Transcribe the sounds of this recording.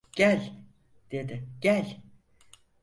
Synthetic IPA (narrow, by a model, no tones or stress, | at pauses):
ɟ̥ælʲ | d̪̥e̞d̪ɪɟ̥ælʲ